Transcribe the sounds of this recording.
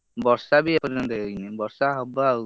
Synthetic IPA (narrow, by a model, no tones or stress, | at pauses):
bɔɾsabiepɔɾd͡ʒɔnt̪ɔejnebɔɾsaɦɔbaːw